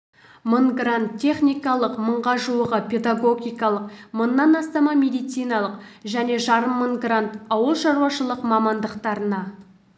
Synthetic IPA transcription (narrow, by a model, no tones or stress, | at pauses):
məɴɡrant̪ʰʲːe̞χnʲijkɑlˠəqməɴʁɑʒuwəʁəpʲʰe̞d̪aɡo̞ɡʲijkɑlˠəqmənːɑnɑst̪ɑmɑmʲe̞d̪ijt̪sijnɑlˠəqʒæne̞ʒɑɾəmːəɴɡrant̪ɑwəlˠʃɑɾuwɑʃəlˠəqmɑmɑnd̪əqt̪ɑɾənɑ